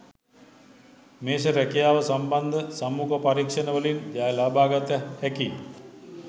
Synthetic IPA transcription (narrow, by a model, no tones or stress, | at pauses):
meːʃ̬əɾækijaːʋəsamband̪əsamːukəpaɾikʂənəʋəlind͡ʒaːjlaːbaːɡat̪əhæki